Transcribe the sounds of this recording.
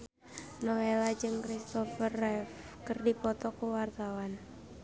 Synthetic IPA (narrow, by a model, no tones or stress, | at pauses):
nɔwelad͡ʒɨŋkɾist̪ɔfərɛf | kərdipɔt̪ɔkəwart̪awan